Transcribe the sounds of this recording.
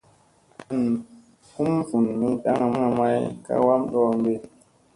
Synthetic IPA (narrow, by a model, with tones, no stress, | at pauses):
n | fu˦mfu˨nːi˦ɗa˦ŋa˨m˦a˨ma˦jka̰˦wa˦mɗɔ˦ŋɡe˦